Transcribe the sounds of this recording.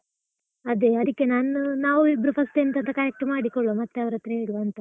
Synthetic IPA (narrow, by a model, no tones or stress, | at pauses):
ɐd̪e̞ɐd̪ikːe̞naːnnaːʋuibɾɐpʰɐst̪ent̪ɐd̪ɐkaɾjek̚ʈːɐmaːɽikoɭomɐt̪ːeɐʋɾɐt̪ɾɐɦeːɽuʋɐnt̪ɐ